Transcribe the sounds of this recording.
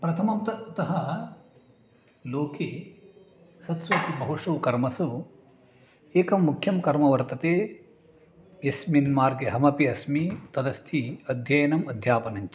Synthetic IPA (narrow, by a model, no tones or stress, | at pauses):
pɾɐt̪ʰɐmɐmt̪ɐt̪ɐɦɐ | loːkeː | sɐt̪soːt̪ibɐɦoʂɐʋkɐɾmɐsu | eːkɐmːukʰjɐmkɐɾmɐʋɐɾt̪ɐt̪eː | jɐsminmaːɾɡeɦɐmɐpiɐsmit̪ɐd̪ɐst̪ʰiɐd̪ʱjɐjɐnɐmɐd̪ʱjaːpɐnɐɲt͡ʃi̥